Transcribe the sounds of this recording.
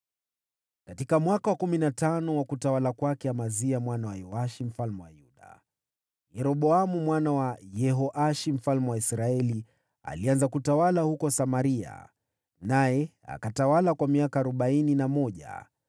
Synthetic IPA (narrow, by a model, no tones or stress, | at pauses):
katikamwakawakuminatanɔwakutawalakwakɛamaziamwanawajɔaʃim̩falmɛwajuɗa̰ | jɛɾɔɓɔamumwanawajɛɦɔʔaʃim̩falmɛwaisɾaɛli | a̰lianzakutawalahukɔsamaɾia̰ | najɛ | a̰katawalakwamiakaːɾɔɓaininamɔʄa̰